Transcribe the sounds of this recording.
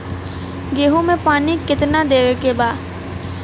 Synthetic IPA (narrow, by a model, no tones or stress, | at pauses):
ɡeːɦõmẽpaːnikɪt̪nad̪eːɾekebaː